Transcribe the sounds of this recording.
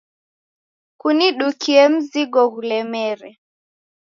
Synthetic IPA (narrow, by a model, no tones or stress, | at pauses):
kuniɗukʰiɛm̩ziɡɔɣulɛmɛɾɛ